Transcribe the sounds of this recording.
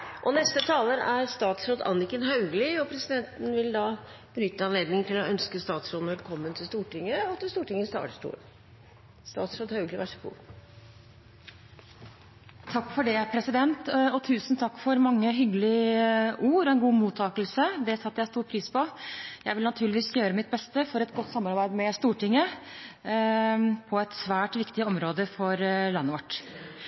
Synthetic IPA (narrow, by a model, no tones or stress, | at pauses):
ʔɔnɛst̪ət̪ʰɑːləɾæɾst̪ɑːt̪sɾod̪ɑ̰nːɪkənɦɑʉɡlɪɔpʰɾɛsɪd̪ɛnt̪n̩ʋɪld̪ɑ | b̥ənʏt̪ːəɑnleːd̪nɪŋt̪ʰɪlɔʔœnskəst̪ɑːt̪sɾod̪n̩ʋɛlkʰɔmːənt̪ʰɪlst̪uːʈɪŋːəɔt̪ːst̪uːʈɪŋːəst̪ɑ̰ːʈəsʈṵːɾ | st̪ɑ̰ːt̪sɾoːd̪hɑʉɡlɪʋæʂə̥kṵː | t̪ʰɑkːfɔɖɛpʰɾɛsɪd̪ɛnt̪ɔt̪ʰʉːsn̩t̪ʰɑkːfɔɾmɑŋːəɦʏɡəlɪʔuːɾɔɛnɡuːmuːt̪ʰːɑːkəlsəd̪ɛsɑt̪ːəjæɪst̪uːɾpʰɾiːspʰɔjæɪʋɪlnɑt̪ʰʉːɭɪʋiːsjøːɾəmɪt̪̚bɛst̪əfɔɾɛt̪ɡɔt̪ːsɑmːɑɾbæɪd̪mɛst̪uːʈɪŋːə | pʰɔɛt̪sʋæːʈʋɪkt̪ɪɔmɾoːd̪əfɔɾlɑnːəʋɔʈː